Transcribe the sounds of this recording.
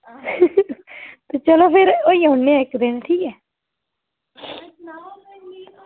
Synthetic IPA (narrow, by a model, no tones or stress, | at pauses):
t̪eːt͡ʃəloːpʰɪɾoiːaʊɳːeːãːɪkd̪eːnːʈʰiːkɛː